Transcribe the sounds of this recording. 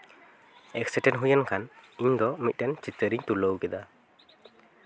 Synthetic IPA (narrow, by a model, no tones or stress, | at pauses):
ɛk̚sɛʈɛnɦujankʰaniɲd̪ɔmit̪̚ˀdɛnt͡ʃit̪ːəɾiɲt̪uləwɡɛd̪a